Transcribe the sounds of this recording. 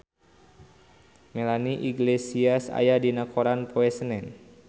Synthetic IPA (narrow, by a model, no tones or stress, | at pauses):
melaniʔiɡlesiasa̰jadinakʰoɾanpoɛsənɛn